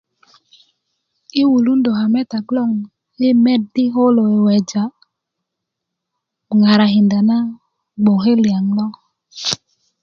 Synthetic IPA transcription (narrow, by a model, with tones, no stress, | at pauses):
i˦wu˨lu˦ndo˨ɦa˨mɛ˦ta˨ɡlɔ˦˨ŋ | e˦mɛ˦dɪ˦ɦo˦lo˨e˨wɛ˨d͡ʒa˨ | ŋa˨ɾa˨ɦi˨nda˨na˦ | ɡ͡bo˨ɦe˦lja˨ŋlɔ˦